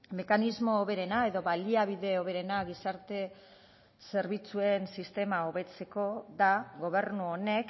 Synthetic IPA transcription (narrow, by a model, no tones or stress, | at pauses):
me̞kanizmo̞ːβe̞ɾe̞nae̞ðo̞βaliaβ̞iðe̞oβ̞e̞ɾe̞naɣisaɾt̪e̞ | se̞ɾβit͡sue̞nsist̪e̞maoβe̞t͡se̞ko̞ðaɣo̞βe̞ɾnuone̞k